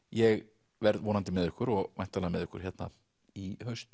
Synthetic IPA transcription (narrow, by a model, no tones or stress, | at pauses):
jɛɣ | vɛɾðvɔːnant̪ɪmɛðʏhkʏɾɔɣmajn̥t̪ʰːalamɛðʏhkʏɾ̥çɛt̪na̰ | ihœɥst̪